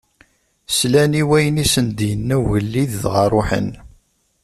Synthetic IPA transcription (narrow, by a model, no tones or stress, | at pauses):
slæniwæjənisənd̪jənːæʝəlːiððʁɑɾˤʊħə̰n